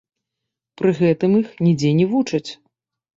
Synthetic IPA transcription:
pɾɨɣɛt̪ɨmixnʲid͡zʲɛnʲivut͡ʂɐt͡sʲ

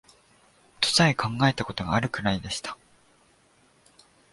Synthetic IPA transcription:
t̪ʰo̥saikʰãŋɡae̞t̪ako̞t̪o̞ɡa̰ːɾɯ̟kɯ̟ɾaid̪e̞ɕi̥t̪ʰḁ

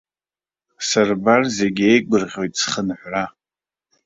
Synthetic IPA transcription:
sarbarzeɡʲejkʷʼɨrʁʲo̞jtʼsχənħʷʕa

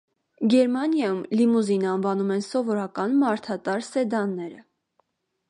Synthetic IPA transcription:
ɡɛɾmɑnjɑjumlimuzinɑnvɑnumɛnsɔvɔɾɑkɑnmɑɾt̪ʰɑt̪ɑɾsɛd̪ɑnːɛɾə

